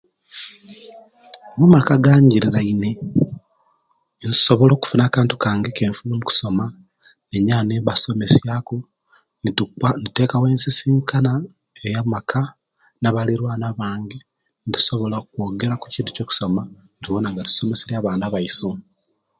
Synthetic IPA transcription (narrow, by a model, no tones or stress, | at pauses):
omumakaɡaːɲɟiɾiɾaine̞ | nso̞βolo̞ːku̥funaːkaːntu̥kaːŋɡeke̞ːɱfunomuku̥so̞ma | eɲaːneβaso̞me̞sjako | nite̞ːkawe̞ːnsisiːŋkana | ejamakʰa | naβaliɾwaːnaβaːŋɡe | nitu̥soβolako̞ːɡe̞ɾaku̥ciːnduco̞ːku̥so̞ma | ntiβonaŋɡatu̥so̞me̞seɾjaːβaːnaβaiso